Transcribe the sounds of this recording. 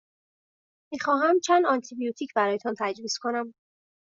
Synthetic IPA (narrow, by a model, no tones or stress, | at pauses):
mixɒːɦæmt͡ʃʰænd̪ɒnt̪ʰibijut̪ʰiːcʰbæɾɒːjet̪ʰɒːnt̪ʰæd͡ʒviːskʰo̞næm